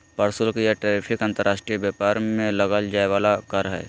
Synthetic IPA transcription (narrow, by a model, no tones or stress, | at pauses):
pɐɾsʊlkijaʈeːɾɪpʰɪkə̃nt̪əɾʔaːʃʈɾijbjaːpaːɾmẽlɐɡald͡ʒaːeʋaːlakaɾɦɛ̰ː